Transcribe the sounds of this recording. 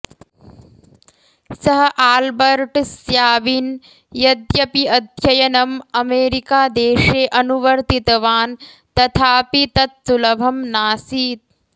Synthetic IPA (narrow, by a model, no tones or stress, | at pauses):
sɐɦɐʔaːlbɐɾʈsjaːʋin | jɐd̪jɐpiɐd̪ʱjɐjɐnɐmɐmeːɾikaːd̪eːʃeːʔɐnuʋɐɾt̪it̪ɐʋaːn | t̪ɐt̪ʰaːpit̪ɐt̪̚sulɐbʱɐmnaːsiːt̪̚